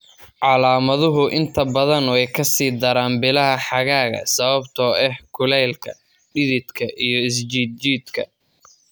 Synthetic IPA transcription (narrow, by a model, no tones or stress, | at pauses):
ʕɑlaːmɐðʊɦʊʔɪnt̪ʰɐbɐðɐnɔɛjkʰɐsiːd̪ɐɾaːnbɪlɐɦɐħɑɣaːɣɐ̰sɐβɐbt̪ʰɔːɛhkʰʊlɛːlkʰɐ | ɖɪðɪd̪kʰɐʔijɞɪs̬d͡ʒiːd̪̚t͡ʃiːd̪kʰɐ̰